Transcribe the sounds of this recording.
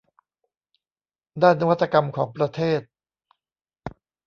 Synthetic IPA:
daː˥˩nːa˦˧wa˥t̪ʰːa˧ka˧mkʰɔː˩˦ŋpɾa˧t̪ʰeː˥˩t̪̚

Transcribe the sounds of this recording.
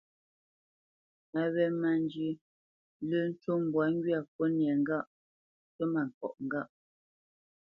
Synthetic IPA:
a˨βɛ˦ma˨n˦d͡ʒi˦ | lə˦˨n̩˦tu˦m˨bwa˨˦ŋ˦ɡɥa˦˨k̚o˦njɛ˨ŋ̩˦ɡa˦ʔ | tə˦ma˨ŋ̩˨kɔ̰˨ʔŋ̩˨ɡa˦ʔ

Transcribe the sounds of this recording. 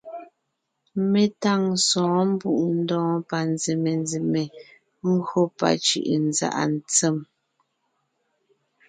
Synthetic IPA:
me˦ta˦˨ŋsɔ̃ː˨˦m̩˦bu˦˨ʔn̩˦dɔ̃ː˦pa˨nze˨me˨nzi˨me˨ | ŋ˦ɡɰo˦pa̰˨t͡ʃʉ̰˨ʔnza̰˦˨ʔa̰˨n̩˨t͡sɛ˦˨m

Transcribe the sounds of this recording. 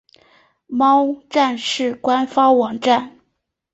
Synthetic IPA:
mɑ˥ʊʈ͡ʂa˥˧nʂɻ̩˥˩kwa˥nfɑ˥ŋwɑ˨˩ŋʈ͡ʂa˥˩n

